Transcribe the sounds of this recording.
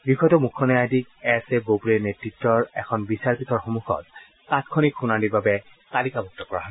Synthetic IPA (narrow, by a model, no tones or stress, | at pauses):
bixɔjtɔmukʰːɔnɛadik̚ɛsebopulenetɹitːɔɹɛ̰kʰɔnbisaɹpitɔɹxɔmuxʰɔ̰t̚ː | atkʰɔnikʰunanibabɛ | talikabʱɔk̚tɔkɔɹaɦɔ